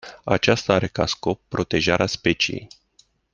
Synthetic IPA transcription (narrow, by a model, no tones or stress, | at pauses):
at͡ʃast̪aaɾe̞kasko̞pːɾo̞t̪e̞ʒaɾeaspe̞t͡ʃije̞̰j